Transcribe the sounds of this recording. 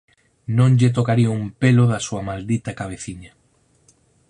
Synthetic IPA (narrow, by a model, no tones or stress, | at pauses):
nõɲʎet̪̬okaɾiumpeloðɐsuɐmald̪it̪ɐkaβ̞eθiɲa